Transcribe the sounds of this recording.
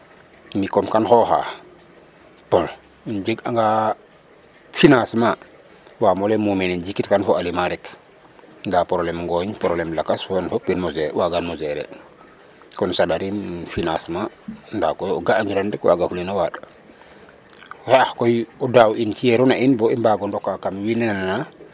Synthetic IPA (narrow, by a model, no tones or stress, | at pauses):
mikɔmkanhɔha̰ | pɔl | nd͡ʒiɡaŋɡa | finasma | waːmɔlemumenind͡ʒikitkanfoalimaɾɛk | ndapɔɾolɛmŋɡɔɲpɔɾolɛmlakashɔnfopiɾmozewaɡanmozɛɾɛ̰ | kɔnsadaɾimfinasma | ndakɔjɔ̰ɡaːɲd͡ʒiɾandɛkwa̰ɡafulinawaɗ | hɛahkɔjɔdawʔinkijɛɾunaʔinbɔimbaɡɔndɔkːakamwinɛnanana